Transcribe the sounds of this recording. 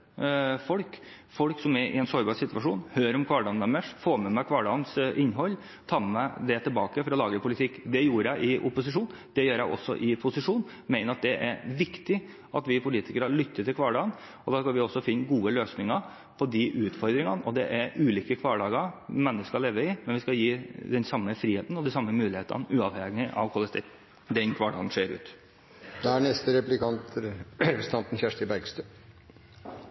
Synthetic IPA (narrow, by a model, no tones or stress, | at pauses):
fɔlk | fɔlksɔmɛɾʔɪ̰ɛnsɔɾbɑːɾsɪt̪ʋɑʂuːnhøːɾɔmkʰʋɑːɖɑːnːɛmːəʂfoːmɛmækʰʋɑːɖɑːnsʔɪnːɦɔlː | t̪ʰɑːmmæd̪ɛt̪ʰɪlbɑːkəfɔɾɔlɑːɡəpʰʊlɪt̪ʰɪkːd̪ɛjuːɾəjæɪʔɪʔʊpʊsɪʂuːn | d̪ɛjøːɾjæɪʔɔ̰sːɔ̰ʔɪpʰʊsɪʂuːn | mæɪnəɾɑt̪̚d̪ɛʔæɾʋɪkt̪ɪ | ʔɑt̪ʋɪpʰʊliːt̪ɪkəɾəlʏt̪ːət̪ɪlkʰʋɑːɖɑːn | ɔd̪ɑːskɑlʋɪɔsːɔfɪnːɡuːəløːsnɪŋə | pʰɔd̪ɪʔʉːt̪fɔɾd̪ɾɪŋɑnʔɔd̪ɛʔæɾʔʉːliːkəkʰʋɑːɖɑːɡəɾmɛnːəskɑleːʋəɪmɛnʋɪskɑjiːd̪ɛnsɑmːəfɾiːheːt̪n̩ɔd̪ɪsɑmːəmʉːlɪheːt̪ə̰nʉːɑʋhɛɡɪʔɑ̰ʋkʰɔləst̪ɛ | d̪ɛnkʰʋɑːɖɑ̰ːɡ̪nʂeːɾʉ̰ːt̪ | d̪ɛæɳɛst̪əɾɛplɪkʰɑnt̪ | st̪ɑnt̪n̩çæʂʈ̪ɪbæɾɡst̪øː